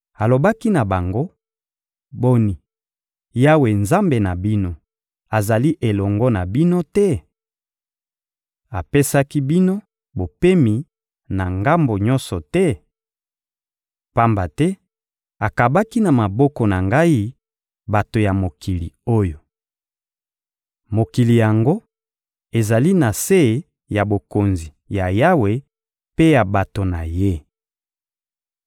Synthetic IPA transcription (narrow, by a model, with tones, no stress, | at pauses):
a˨lo˨ba˦ki˦na˨ba˨ŋɡo˦ | bo˦ni˨ | ja˦we˨nza˦mbe˨na˨bi˦no˦ | a˨za˨li˦ʔe˨lɔ˨ŋɡɔ˦na˨bi˦no˦tɛ˦ | a˨pe˦sa˦ki˦bi˦no˦ | bo˨pe˦mi˨ | na˨ŋɡa˦mbo˨ɲɔ˦nsɔ˨tɛ˦ | pa˦mba˨tɛ˦ | a˨ka˨ba˦ki˦na˨ma˨bɔ˦kɔ˨na˨ŋɡa˦i˦ | ba˨to˨ja˨mo˨ki˨li˨o˦jo˨ | mo˨ki˨li˨ja˨ŋɡo˦ | e˨za˨li˦na˨se˦˨ | ja˨bo˨ko˨nzi˨ja˨ja˦we˨ | pe˦ja˨ba˨to˨na˨je˦